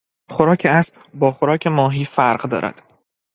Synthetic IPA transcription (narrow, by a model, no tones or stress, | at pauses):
χoɾɒːcʰeæsb | bɒːχoɾɒːcʰe̞mɒːɦiːfæɾɢd̪ɒ̰ːɾæ̰d̪̥